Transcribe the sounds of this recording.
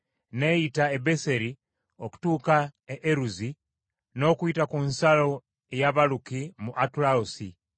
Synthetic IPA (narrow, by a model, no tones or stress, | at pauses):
ne̞jitaebe̞se̞ɾi | o̞ku̥tuːkaeʔeɾuzi | no̞ːkuitakunsalo̞ | ejaβalukimuʔatuɾaosi